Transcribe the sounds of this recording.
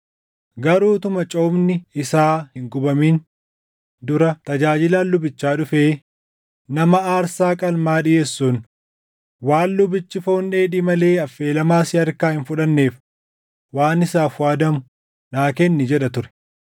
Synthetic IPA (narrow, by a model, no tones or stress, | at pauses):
ɡɐɾuːt̪ʊmɐt͡ʃʼoːbnɪɪsaːhɪŋɡʊbɐmiːn | d̪ʊɾɐt̪ɐd͡ʒaːd͡ʒɪlaːlːʊbɪt͡ʃːaːᶑʊfe̞ː | nɐmɐaːɾsaːkʼɐlmaːᶑɪjeːsːuːn | waːnlʊbɪt͡ʃːɪfo̞ːnːeːᶑɪmɐle̞ːɐfːe̞ːlɐmaːsɪɐɾkaːhɪnfʊᶑɐnːe̞ːf | waːnɪsaːfwaːd̪ɐmʊ | naːkeːnːɪd͡ʒɛᶑɐt̪ʊɾɛ̥